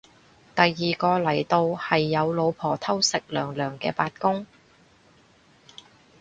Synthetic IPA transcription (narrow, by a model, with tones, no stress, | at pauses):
t̪ɐ˨jːiː˨kɔː˧lɐ˨˩jt̪o˧whɐ˨jːɐ˨˧wlo˨˧wpʰɔː˨˩t̪ʰɐ˥wsɪ˨k̚lœː˨˩ŋlœː˨˩ŋkɛ̰ː˧paː˧t̚kʊ˥ŋ